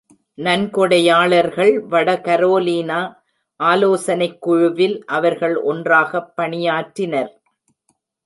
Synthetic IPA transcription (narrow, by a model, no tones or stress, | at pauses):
nɐnkɔɽɐjaːɭɐɾɣɐɭʋɐɽɐkɐɾoːliːnaː | ʔaːloːsɐnɐɪkːʊɻʊʋɪlʔɐʋɐɾɣɐɭʔɔ̰ndraːɣɐpːɐɳɪjaːʈɾɪnɐɾ